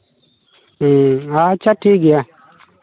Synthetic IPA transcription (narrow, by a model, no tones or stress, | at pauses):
at͡ʃʰaːʈʰiːk̚ɡɪjaː